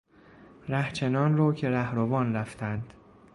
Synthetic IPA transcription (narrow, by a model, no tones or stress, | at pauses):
ɾæht͡ʃʰenɒːnrɒːcʰe̞ɾæhɾovɒːnɾæft̪ʰænd̪̥